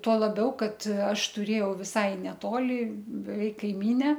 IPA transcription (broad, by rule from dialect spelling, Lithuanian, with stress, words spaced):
tuɔ lˠɐˈbʲɛʊ ˈkɐt ˈɐʃ tʊˈrʲeːjɛʊ ʋʲɪˈsɐɪ nʲɛˈtoːlʲɪ bʲɛˈʋʲɛɪk kɐɪˈmʲiːnʲɛ